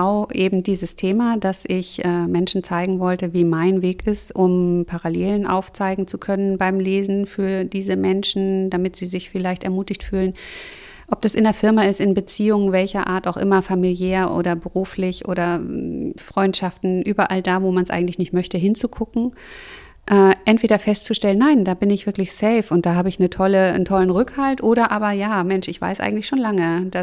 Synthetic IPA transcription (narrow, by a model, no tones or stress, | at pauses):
aʊʔeːbm̩diːzəstʰeːmadasʔɪçʔɛːmɛnʃn̩t͡saɪɡŋ̩vɔltəviːmaɪnveːkɪstʔʊmpʰaʁaleːlənʔa̰ʊft͡saɪɡŋ̩t͡sukʰœnənbaɪmleːzn̩fyːɐdiːzəmɛnʃn̩damɪtz̥iːzɪçfɪlaɪçtɛɐmuːtɪçtfyːlən | ʔɔp̚d̥asɪndeɐfɪɐmaɪstɪnbət͡siːʊŋəvɛlçɐʔa̰ːɐta̰ʊxʔɪmɐfamiljɛːɐʔo̰ːɾdɐbəʁuːflɪçʔo̰ːɾɐ | fʁ̥ɔʏntʃaftn̩ʔyːbɐʔaldaːvoːmansʔa̰ɪɡŋ̩tlɪçnɪçtmœçtəɦɪnt͡sukʰʊkŋ̩ | ʔɛːʔɛntv̥eːɾɐfɛstt͡suʃtɛlənːaɪndaːbɪnɪçv̥ɪɐklɪçsɛɪfʊnt̚d̥aːɦaːbəɪçnətʰɔləntʰɔlənʁʏkhaltʔoːɾɐʔaːbɐjaːmɛnʃɪçv̥a̰ɪsʔa̰ɪɡŋ̩tlɪçʃoːnlaŋəd̥a